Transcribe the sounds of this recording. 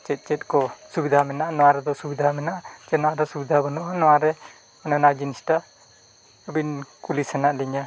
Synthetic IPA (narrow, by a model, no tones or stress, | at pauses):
t͡ʃɛt̪̚ˀt͡ʃɛt̪̚ˀkɔsubid̪ʱamɛnaʔanɔwaɾɛd̪ɔsubid̪ʱamɛnaʔad͡ʒɛnɔaʔdɔsubid̪ʱabɔnɔʔanɔwaɾɛ | ɔnɔnad͡ʒinisʈa | ɔbinkulisɛnaʔliɲa